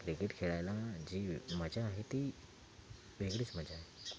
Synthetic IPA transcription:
kɾikeʈkʰeɭajlad͡ʑiːməd͡ʑaaɦet̪i | ʋeɡɽiːt͡sməd͡ʑʱaɦe

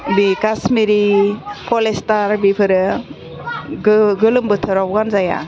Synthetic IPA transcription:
bikasmiɾipɔlestaɾbipʰɯɾɯ | ɡɯɡɯlɯmbɯtʰɯɾɔbɡanzaja̰

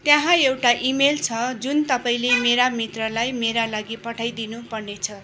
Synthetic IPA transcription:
t̪jãɦãewʈaʔimelt͡sʰʌd͡zunt̪ʌpaĩlemeɾamit̪rʌlajmeɾalaɡipʌʈʰajd̪inupʌrnet͡sʰʌ

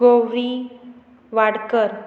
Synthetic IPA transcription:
ɡowɾi | ʋaɽkəɾ

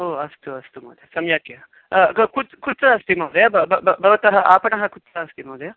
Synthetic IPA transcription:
oːɐst̪uɐst̪umɐ̰ːd̪esɐmjaːkje | kukut̪ːt͡sɐɐst̪imɐwd̪ɐjaːbbbɐʋɐt̪ɐɦɐʔaːpɐɳɐɦɐkut̪ːsɐːst̪imɐwd̪ɐjaː

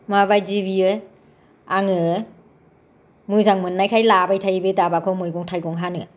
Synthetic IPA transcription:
maβajzibiɯ | aŋɯ | mujzaŋmɯnːajkʰajlabajtʰajbedabakʰɔmɯjɡɔŋtʰajɡɔŋɦanɯ

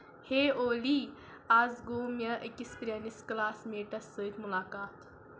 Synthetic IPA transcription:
heoli | ad͡zɡomjɐʔekispɾʲjanisklaːsmeːʈɐsːəit̪mulaːkaːt̪

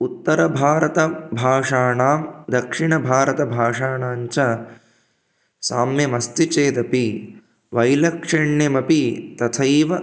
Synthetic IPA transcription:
ut̪ːɐɾɐbʱaːɾɐt̪ɐbʱaːʂaːɳaːmd̪ɐkʂiɳɐbʱaːɾɐt̪ɐbʱaːʂaːɳaːɲt͡ʃɐ | saːmjɐmɐst̪it͡ʃeːd̪ɐpi | ʋɐjlɐkʂɐɳjɐmɐpit̪ɐt̪ʰɐjʋɐ

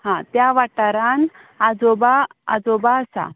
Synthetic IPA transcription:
hãt̪jaʋaʈaɾan | ad͡zobaa̰d͡zobaəsa̰

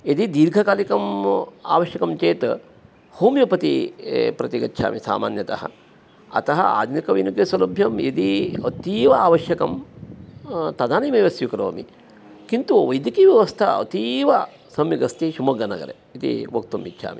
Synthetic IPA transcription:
ed̪id̪iːɾɡʱɐkaːlikɐma̰ːʋɐʃjɐkɐmt͡ʃeːt̪ | hoːmjɐpɐt̪ipɾɐt̪iɡɐtːʃʰa̰ːmisa̰ːma̰ːnjɐt̪ɐhɐ̰ | ɐ̰t̪ɐɦɐ̰a̰ːd̪nikɐʋḭnukjesɐlɐbʱjɐmed̪iɐt̪iːʋɐaːʋɐʃjɐkɐm | t̪ɐd̪aːnimɐʋɐsjukɾɐ̰ːmḭ | kint̪uʋɐjd̪ikiːʋjɐʋɐst̪ʰɐ̰ɐ̰t̪iʋɐ | sɐmjiɡɐst̪iʃumɐɡɐnɐɡɐ̰ɾḛ | it̪ḭʋɐk̚t̪umːḭtːʃʰa̰ːmi

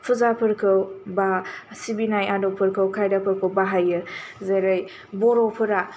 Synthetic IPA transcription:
pʰuzapʰɯɾkʰɯwbasibinajadopʰɯɾkʰɐwkʰajdapʰɯɾkʰɐwbaɦajɯzɐɾɐj | boɾopʰɯɾa

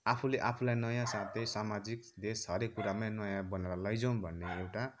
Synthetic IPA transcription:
apʰuleʔapʰulajnʌjãsat̪ʰʌjsamad͡zik̚d̪esɦʌɾekːuɾamajnʌjãbʌneɾalʌjd͡zʌwmbʱʌnːeewʈa

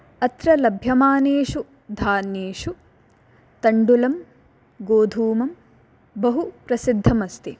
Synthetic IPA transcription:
ɐt̪ɾɐlɐbʱjɐmaːneːʂu | d̪ʱaːnjeːʂu | t̪ɐɳɖulɐm | ɡoːd̪ʱuːmɐm | bɐɦupɾɐsid̪ʱːɐmɐst̪i

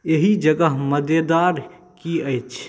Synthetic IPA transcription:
eɦid͡ʒəɡəɦməd̪jed̪aɾ | kiəjt͡ʃʰ

